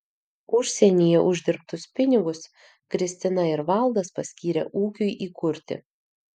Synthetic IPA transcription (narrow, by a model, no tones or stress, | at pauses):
ʊʃʲsʲɛnʲijɛʔʊʒʲd̪ʲɪɾp̚t̪ʊspʲɪnʲɪɡʊs | kɾʲɪsʲt̪ʲɪnɐɪɾʋɑˑlˠˑd̪ɐspɐsʲkʲiːɾʲɛ̰ʔuːkʲʊɪʔiːkʊɾʲt̪ʲɪ̰